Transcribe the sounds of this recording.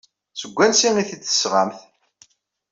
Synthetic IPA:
səɡʷːænsiŋiθiə̥sʁamθ

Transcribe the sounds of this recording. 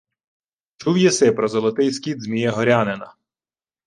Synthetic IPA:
t͡ʃuwjɛsɪpɾɔzɔlˠɔt̪ɪjskʲid̪zmʲijɛɦɔɾʲanenɐ

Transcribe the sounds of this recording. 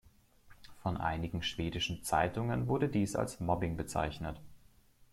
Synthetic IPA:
fɔnʔa̰ɪnɪɡŋ̩ʃv̥eːdɪʃn̩t͡saɪtʊŋənvʊɐɾədiːsa̰lsmɔbɪŋbət͡sa̰ɪçnət

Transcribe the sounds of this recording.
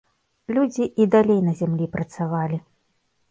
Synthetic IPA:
lʲud͡zʲiʔid̪alʲejnɐzʲamlʲipɾʔɐt̪savalʲi

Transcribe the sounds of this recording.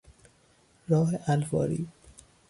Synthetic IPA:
ɾɒːɦeʔælfɒ̰ːɾḭː

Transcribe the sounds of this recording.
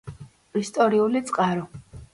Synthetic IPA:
ist̪ʼɔɾiulit̪sʼqʼaɾɔ

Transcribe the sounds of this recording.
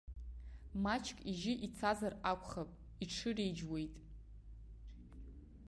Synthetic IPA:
mat͡ʃʰkʼiʒɪʔit͡sʰazarakʷʰʼχapʼ | iʈ͡ʂʰɨrejd͡ʒwe̞jtʼ

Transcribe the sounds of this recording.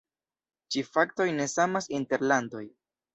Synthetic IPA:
t͡ʃifakto̞jne̞samasinte̞ɾlando̞j

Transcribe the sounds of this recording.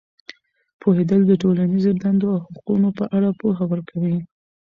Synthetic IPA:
pʰohed̪əld̪əʈolanizod̪and̪oawhaqunopəʔaɽapoɦawəɾkawi

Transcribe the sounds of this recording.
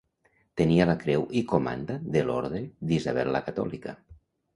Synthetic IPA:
t̪enialakɾɛwʔikoma̰nd̪aðelo̰ɾðɾeðizaβɛlːakat̪ɔ̰lika

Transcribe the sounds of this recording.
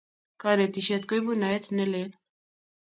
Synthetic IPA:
kaɾet̪iʃet̪kojbunaet̪nelet̪

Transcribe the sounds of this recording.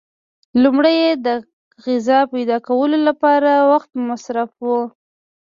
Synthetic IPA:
lumɽajed̪ə | ɣɪzɑpajd̪ɑkawəlolapɑɾawaxt̪̚masɾafwu

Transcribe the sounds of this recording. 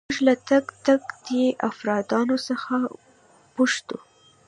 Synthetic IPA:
mʊʒlat̪aɡt̪aɡd̪eʔafɾɑd̪ɑnosəxa | puʃt̪u

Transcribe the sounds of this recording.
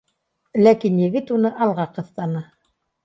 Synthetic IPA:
lækinjɘ̆ɡɘt̪unɤʔɑlˠʁɑqɤ̆θt̪ɑnɤ

